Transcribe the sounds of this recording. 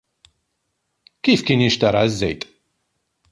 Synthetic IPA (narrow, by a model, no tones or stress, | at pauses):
kifkiːniʃt̪ɐɾˤɑəzːɛ̰jt̪ʼ